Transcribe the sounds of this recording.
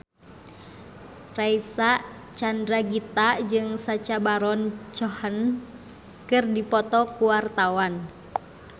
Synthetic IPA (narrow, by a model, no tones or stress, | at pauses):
raisaʔ | t͡ʃandɾaɡit̪ad͡ʒɨŋsat͡ʃabaɾɔnt͡ʃɔhən | kɨrdipɔt̪ɔkuwart̪awan